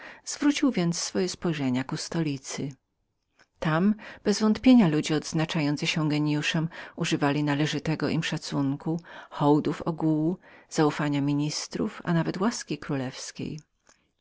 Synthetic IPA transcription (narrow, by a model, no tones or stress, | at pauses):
z̥vɾut͡ɕiwvʲjɛnt̪sːfɔjɛspɔjʐɛɲakust̪ɔlʲit̪sɘ | t̪amb̥ɛzvɔnt̪pʲjeɲalud͡ʑɛɔd̪znat͡ʂajɔnt̪sɨɕɛ̃ɡɛɲjuʂɛmuʐɘvalʲinalɛʐɘt̪ɛɡɔʔimʂat̪suŋkuxɔwd̪ufɔ̰ɡuwuz̥aufaɲamʲiɲist̪ɾṵfa̰navɛt̪waskʲikɾulɛfskʲḛj